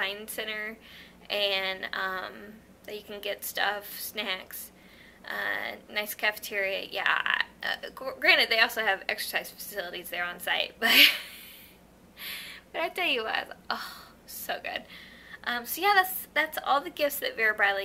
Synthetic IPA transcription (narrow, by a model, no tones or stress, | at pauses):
zãɪ̃nsɛ̃ñə˞ | ʔɨ̃nʌ̃m | ðɨt͡ʃɨkʰn̩ɡɛtstʌfsnæks | ʔʌ̰naɪskʰæfə̥tʰɪɹiɨ̰jæ̰ʔʌ̰ɡɡ̥ɹæ̃ñɨd̪̚ðeɪɔlˠsoʊɨvɛ̰ksə̥˞saɪz̥fə̥sɪlˠəɾizðə˞ə̃nsaɪt̚b̥ʌt̚ | b̥ʌɾaɪtʰɛlˠjɨwʌɾa̰ɪʔoʊ | soʊɡʊ̰d̥ʔʌ̃msoʊjæðætsðætsɔ̰lˠðɨɡɪftsðɨtvɛɹibɹaɪlˠi